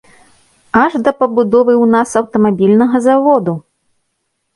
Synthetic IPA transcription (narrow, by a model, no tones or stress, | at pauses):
ɐʐd̪ɐpɐbud̪ɔvɨwnasɐwt̪ɐmabʲilʲnɐɣɐzavɔd̪u